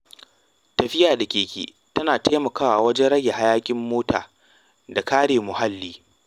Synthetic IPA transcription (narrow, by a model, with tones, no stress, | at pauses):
tɐ˨ɸɪ˦jaː˨da˨kʲeː˨kʲḛː˨ | tɐ˦naː˨ta˦mɐ˨kaː˦wa˨wɐ˦d͡ʒɛ˦nɽɐ˦jːa˨ha˦jaː˦kʲʼɪ˦mːoː˦ta̰ː˨ | da˨kaː˦ɽeː˨mʊ˨ha˦lːiː˦